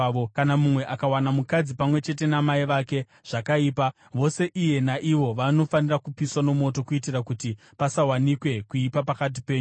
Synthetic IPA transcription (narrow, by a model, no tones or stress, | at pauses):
okanamumwe̞ʔakawanamukad͡zipamwe̞t͡ʃe̞t̬e̞namaiʋaːke̞ | ʐ̥akaiːpa | ʋo̞se̞ʔije̞naʔiʋo̞ʋano̞fanirakupiswano̞mo̞t̬o̞kuitirakuti | pasawanikwe̞kuipapakat̬ipe̞ːɲ